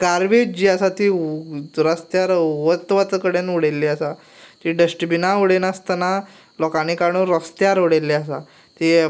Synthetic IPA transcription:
kaɾʋid͡ʑiːasat̪iː | ɾəst̪jaɾʋət̪ʋat̪kəɽenuɽelːiasa | t̪iɖəsʈbinauɽenast̪ana | lɔkanikaɽ̃ũɾəst̪jaɾuɽelːeasa̰ | t̪i

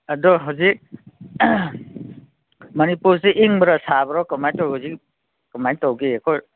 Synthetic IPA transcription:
adɔɦazik̚ | mʌnipuɾseʔiŋbəɾasabɾɔkɔmajtɔwɦuzik̚ | kɔmajtɔwɡeekʰɔ

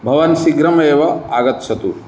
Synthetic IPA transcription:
bʱɐʋɐnsiɡɾɐmeːʋɐaːɡɐt̪sɐt̪u

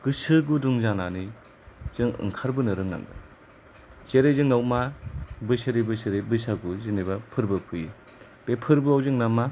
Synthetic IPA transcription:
ɡ̥ɯsɯɡuduŋzanani | z̥ɯŋɯ̰ŋkʰaɾbɯnɯɾɯŋna̰ŋɡa̰ | t͡ʃeɾezɯŋnawmabɯseɾebɯseɾebɯs̬aɡuzinebapʰɯɾbɯpʰɯji | b̥epʰɯɾbɯawzɯŋnama

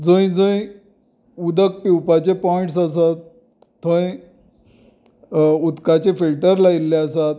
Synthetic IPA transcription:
d͡zə̃jĩd͡zə̃j | ud̪ək̚piwpat͡ɕepɔiʈs̬as̬at̪ː | ə̃j | ud̪kat͡ɕefilʈəɾlailːeasat̪̚

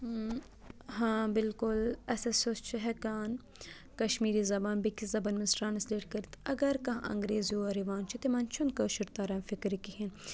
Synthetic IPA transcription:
ɦãːbɪlkʊlɐsɐsost͡ʃʰiɦɛkaːn | kɐʃmiːɾizɐbaːnbikizɐbɐnmisɾaːnɐsleːʈkɐɾit̪ɐɡɐɾkɐ̃ʔɐ̰̃ŋɡɾeːzjoːɐɾiʋaːnt͡ʃʰit̪imɐnt͡ʃʰunkɐʃɪɾt̪aːɾɐnfikɾikiɦin

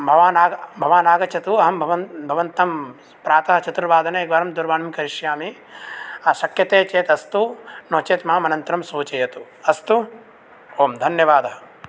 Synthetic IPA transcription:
bʱɐʋaːnaːɡbʱɐʋaːnaːɡɐt͡ʃʰɐt̪uɐɦɐmbʱɐʋɐnbʱɐʋɐnt̪ɐm | pɾaːt̪ɐɦɐt͡ʃɐt̪ɾɐʋaːd̪ʱɐnɐɡʋaːɾɐmd̪uɾʋaːnɐmkɐɾiʃjaːmi | ɐʃɐkjɐt̪eːt͡ʃeːt̪ɐst̪unoːt͡ʃeːt̪maːmɐnɐnt̪ɾɐmsoːt͡ʃɐjɐt̪u | ɐst̪u | oːmd̪ʱɐnjɐʋaːd̪ɐɦɐ

